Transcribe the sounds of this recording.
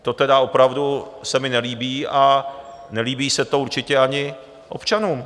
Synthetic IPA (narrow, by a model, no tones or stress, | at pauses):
t̪o̞t̪ɛdao̞pɾavdusɛmɪnɛliːbiːa | nɛliːbiːsɛt̪o̞uɾt͡ʃɪcɛaɲɪ | ʔo̞̰pt͡ʃanuːm